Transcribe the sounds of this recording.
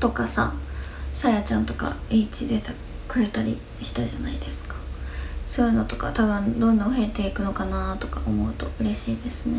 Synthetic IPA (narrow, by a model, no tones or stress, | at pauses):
t̪o̞kasa̰sajat͡ɕãnt̪o̞ka̰iːt͡ɕid̪et̪a | kɯ̟ɾe̞t̪aɾʲi | ɕi̥t̪aʑanaid̪e̞sɨ̥kḁso̞ːjɯ̟no̞t̪o̞̥ka̰t̪aβɯ̟̃nd̪õ̞nːãhe̞t̪e̞ikɯ̟no̞kanat̪o̞̥kaomo̞ɯ̟t̪o̞ɯ̟ɾe̞ɕiːd̪e̞sɨne